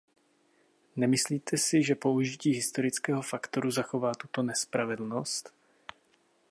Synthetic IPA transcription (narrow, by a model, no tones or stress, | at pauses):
nɛmɪsliːt̪ʰɛsɪʒɛpo̞uʒɪciːɦɪst̪o̞ɾɪt͡skɛːɦo̞fakt̪o̞ɾuzaxo̞vaːt̪ut̪o̞nɛspɾavɛdl̩no̞st̪